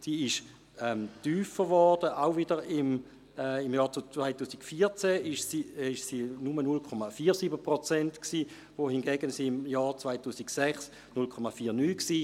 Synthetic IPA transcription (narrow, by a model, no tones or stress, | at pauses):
siːɪʃ | ɛmtyːfəʁʋɔʁd̥əʔaʊvɪdəʁɪm | ɛimjɑːt͡st͡svaɪtuːsikfiːɐt͡sɛɪʃsiɪʃsiːnumənulkʰɔmafiːɐʁsiːbəpʁot͡sɛntksiː | vohinɡɛɡənsimjɑːt͡svaɪtuːsiksɛχs | nʊlkʰɔmafiːɐnyːksiː